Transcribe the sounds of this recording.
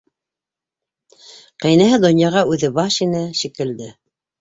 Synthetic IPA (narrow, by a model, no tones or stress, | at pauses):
qæ̆jnæɦɘd̪ŏnʲjɑʁɑʉðɘbɑʃinɘʃikɘ̆ld̪ɘ